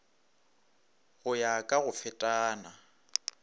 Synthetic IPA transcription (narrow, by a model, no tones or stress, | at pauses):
ɣʊjakʼaɣʊfɛtʼaːna